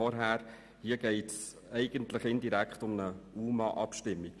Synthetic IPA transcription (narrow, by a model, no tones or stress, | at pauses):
ɔɾɦæːɾ | hiːəɡ̥ɛɪts | ɛɪɡ̥əntləχɪndiɾækχtʊmnəuːmɑ̰ʔɑpʃtɪmːi